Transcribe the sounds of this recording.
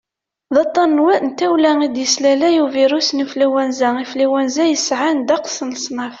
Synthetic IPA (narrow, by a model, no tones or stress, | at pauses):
ðɑt̪ˤːɑnːwæʔnt̪ːæwlæŋid̪jəslælæjuviɾusnəflæwænzæiflæwænzæjəsʕand̪ɑqsənsˤnɑf